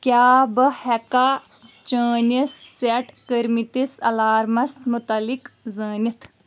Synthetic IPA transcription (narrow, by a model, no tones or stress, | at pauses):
kʲjaːbɐhɛka | t͡ʃəːnɐsːeʈkəɾmit̪isɐlaːɾmɐsmut̪ɐlikzəːnʲɐt̪ʰ